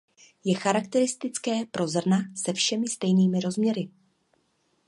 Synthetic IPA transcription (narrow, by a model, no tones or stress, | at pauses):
jɛxaɾakt̪ɛɾɪst̪ɪt͡skɛːpɾo̞zr̩nasɛfʃɛmɪst̪ɛjniːmɪɾo̞zmɲɛɾɪ